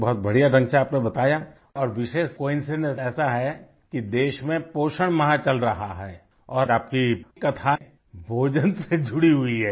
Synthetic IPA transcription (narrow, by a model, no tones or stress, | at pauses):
bɔɦʊt̪̚bɐɽ̤ijaɾɐ̃nʃaaːpnebɐt̪aːja | ɔːɾʋɪʃeːʃkoːɪ̃nseneɛːsaɦɛ | kid̪eːʃmẽpoːʃəɽ̃mɐɦãt͡ʃɐlɾɐɦaɦɛː | ɔːaːp̚kikɐt̪ʰa | bʱoːd͡ʒənsed͡ʒʱʊɽiɦʊiɦɛː